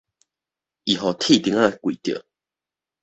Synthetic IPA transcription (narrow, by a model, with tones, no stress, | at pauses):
i˨ɦɔ˨t̪ʰi˥˧˨t̪i˧˦ŋa˦˧e˧kwi˨t̪jə̰˨